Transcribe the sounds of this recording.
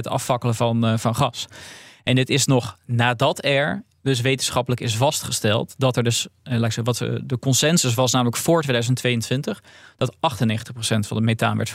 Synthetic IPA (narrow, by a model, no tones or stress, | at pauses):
ətɑ̰fɑkələvɑnvɑnχɑsʔɛnɪtɪsnɔχnaːdɑtɛɹ | dɵs̬ʋejtənsχɑpələkɪsvɑstχəstɛlˠtdɑtɛɹdɵslaːksɛʋɑtdəkɔnsɛnzəs̬ʋɑsnaːmələkfʊːɹtʋeːdœɥzəntʋejəntʋɪntəχd̥ɑtɑχtənːejχən̩təχprosɛntfɑ̰̃ndəmejta̰ːnʋɛɹtf